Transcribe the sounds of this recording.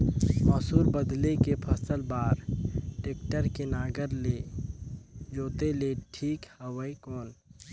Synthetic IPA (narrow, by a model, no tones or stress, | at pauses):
mɔːsuːɾbəd̪lekepʰəsəlbaːɾʈeːkʈəɾkenaːɡəɾle | d͡ʒoːt̪eleʈʰiːkhəwəikɔːn